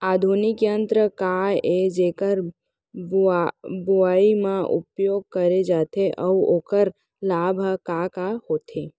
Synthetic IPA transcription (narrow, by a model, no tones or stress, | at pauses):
aːd̪ʱunɪkjə̃nt̪ɾəkaed͡ʒeːkəɾ | buaːimãʔʊ̰pjoːɡ̚kəɾed͡ʒaːt̪eʔɔʋoːkəɾ | laːbʱkakahoːt̪ʰeː